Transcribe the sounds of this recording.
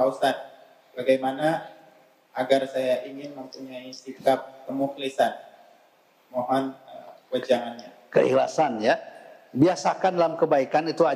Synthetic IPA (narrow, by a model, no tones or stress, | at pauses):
ausan | baɡajmana | aɡarsajaʔiŋɪnməmpuɲaisikap̚kəmuklisan | moɦɔnəwəd͡ʒaŋanɲa | kə̰ḭhla̰sanja | biasakandalamkəbaikanit̪ua